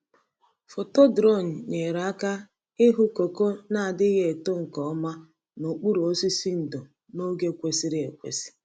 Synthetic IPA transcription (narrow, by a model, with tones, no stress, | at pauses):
fo˨to˦dɾɔ˦˨n̩˨ɲe˨ɾa˨a˦ka˦ | ɪ˦ɦu˦ko˨ko˦na˦a˨dɪ˦ɦe˦˨to˦ŋ̩˨kɔ˨ɔ˦ma˦ | no˨k͡pu˦ɾu˨o˦si˦si˦n̩˨do˨ | no˦ɡe˦kʷe˨si˦ɾɪ˦e˨kʷḛ˨si̥˦